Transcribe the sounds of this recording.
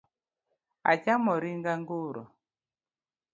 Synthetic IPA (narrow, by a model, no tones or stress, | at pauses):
a̰t͡ʃamɔɾiŋɡaŋɡuɾɔ̰